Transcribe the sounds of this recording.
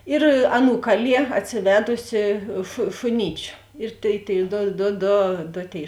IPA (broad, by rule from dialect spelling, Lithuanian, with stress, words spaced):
ɪr ˈɑːˌnuː ˈkɑːˌlʲiɛ ɐtʲsʲɪˈʋʲæːdʊsʲɪ ʃʊ ʃʊˈnʲiːt͡ʃʲʊ ɪr tʲeːɪ tʲeːɪ ˈdoː doː ˈdoː doː ˈtʲeːɪ